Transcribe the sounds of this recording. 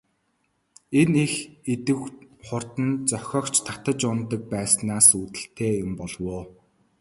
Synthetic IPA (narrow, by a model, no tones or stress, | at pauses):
enexet̪ɘ̆wχʊr̥t̪ə̆nt͡sœxʲɔːkt͡ɕʰt̪ʰḁt̪ə̆t͡ɕʊnt̪ə̆k̚pæːsnaːsuːt̪ɘ̆ɬt̪ʰeːjʊmpɔɮwoː